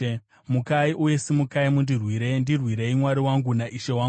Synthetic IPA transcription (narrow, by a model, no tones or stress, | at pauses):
mukaiʔuje̞simukaimundirwiɾe̞ndirwiɾe̞imwaɾiwaŋɡunaʔiʃe̞waŋ